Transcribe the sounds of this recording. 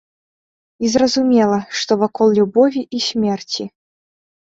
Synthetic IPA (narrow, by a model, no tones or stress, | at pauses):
izrɐzumʲɛlˠɐʂt̪ɔvakɔlˠlʲubɔvʲiʔisʲmʲɛrt͡sʲi